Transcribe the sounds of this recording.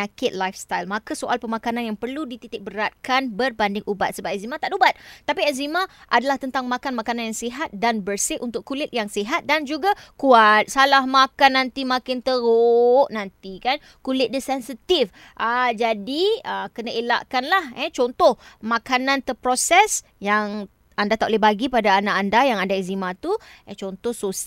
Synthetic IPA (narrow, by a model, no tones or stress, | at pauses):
akɪt̪̚lajfst̪ajlmãkasoʔalpəmãkananjaŋpərludit̪it̪ɪk̚bəɾat̪̚kanbərbandɪŋʔubat̪̚səbap̚ɛzimat̪aʔdubat̪̚tːapiɛzimãʔadalaht̪ənt̪aŋmãkanmakananjaŋsiɦat̪̚danbərsɪʔunt̪ʊkulɪt̪̚jaŋsiɦat̪̚dand͡ʒuɡakuat̪̚salahmakanːant̪imakɪnt̪əɾoʔnant̪ikan | kulɪt̪̚dəsɛnsit̪if | ʔəd͡ʒadiəkənaʔela̰ʔkanlahɛt͡ʃɔnt̪ɔhmãkanãnt̪əpɾosɛs | jaŋ | andat̪aʔlehbaɡipadaːnaʔandajaŋadaɛzimãt̪uɛt͡ʃɔnt̪ɔhsos